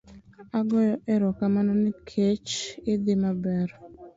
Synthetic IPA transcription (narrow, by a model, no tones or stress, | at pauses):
aɡɔjɔʔɛɾɔkamanɔnɪkʰet͡ʃɪd̪ɪmabɛɾ